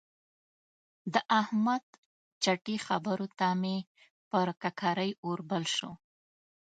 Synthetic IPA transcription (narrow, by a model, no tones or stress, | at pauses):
d̪əʔahmad̪ | t͡ʃaʈixabəɾot̪ame | pəɾkakʰaɾəjoɾbalʃo